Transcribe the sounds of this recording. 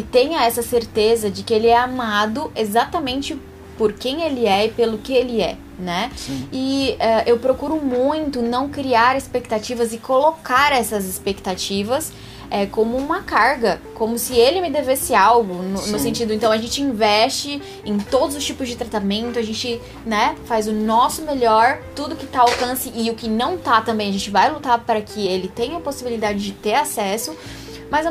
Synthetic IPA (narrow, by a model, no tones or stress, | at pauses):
ɪt̪ẽɲɐɛsɐseɾt̪ezɐd͡ʒɪkɪelɪɛamad̪ʊʔezat̪ɐmẽnt͡ʃɪ | poɾkẽj̃elɪɛɪpelʊkɪelɪɛ̰ | nɛɪɛʔewpɾokuɾʊmũj̃t̪ʊnɐ̃w̃kɾiaɾɪspek̚t̪at͡ʃivɐzɪkolokaɾɛsɐzɪspekt̪at͡ʃivɐs | ɛkõmʊũmɐkaɾɡɐkõmʊsɪelɪmɪd̪evesɪawɡʊnʊnʊsẽnt͡ʃid̪ʊẽt̪ɐ̃w̃ɐaʒẽnt͡ʃɪĩvɛst͡ʃɪ | ẽt̪od̪ʊzʊst͡ʃipʊzd͡ʒɪt̪ɾat̪amẽnt̪ʊɐʒẽnt͡ʃɪ | nɛfazʊnɔsʊmeʎɔɾt̪ud̪ʊkɪt̪aawkɐ̃sɪʔɪʊkɪnɐ̃w̃t̪at̪ɐ̃mbẽj̃ɐʒẽt͡ʃɪvajlut̪aɾpaɾɐkʰɪelɪt̪ẽj̃ɐposibilid̪ad͡ʒɪd͡ʒɪt̪eɾasɛsʊ | mɐz